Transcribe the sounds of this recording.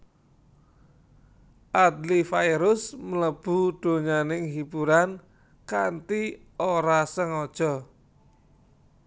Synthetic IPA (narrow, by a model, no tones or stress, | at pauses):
ʔad̪lifajɾʊsmələb̥ṳɖ̪̥o̤ɲanɪŋɦibuɾan | kant̪i | oɾasəŋɔd̥ʒ̥ɔ